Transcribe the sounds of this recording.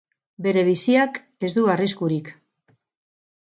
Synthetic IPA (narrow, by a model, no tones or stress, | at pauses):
be̞ɾe̞βisiak | e̞zd̪uariskuɾik